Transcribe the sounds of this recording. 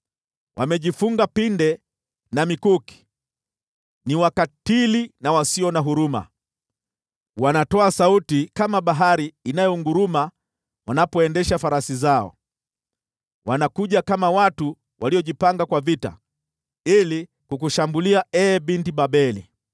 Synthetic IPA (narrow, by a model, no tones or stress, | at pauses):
wʔa̰mɛʄifuŋɡapindɛ | namikuki̥ | niwakatilinawasiɔnaɦuɾuma̰ | wanatɔasautikamaɓaɦaɾiːnajɔŋɡuɾuma | wanapɔɛndɛʃafaɾasizaɔ̰ | wanakuʄakamawatu | wʔaliɔʄipaŋɡakwavita̰ | ili | kukuʃambuliaɛːbintiɓaɓɛlḭ